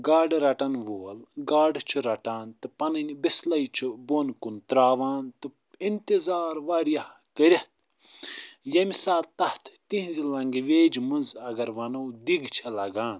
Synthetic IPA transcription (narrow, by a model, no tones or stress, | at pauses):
ɡaːɖɾɐʈɐnʋoːlɡaːɖt͡ʃʰuɾɐʈaːnt̪ɨpɐnɐnʲbislɐjt͡ʃʰubonkunt̪ɾaːʋaːnt̪ɨ | int̪izaːɾʋaːɾjɐh | kɐɾʲɐht̪̚ʰ | jɐmisaːlt̪ɐht̪ʰt̪ĩɦzilɐŋɡʋeːd͡ʒmunzɐɡɐɾʋɐnɐwd̪iɡt͡ʃʰɐlɐɡaːn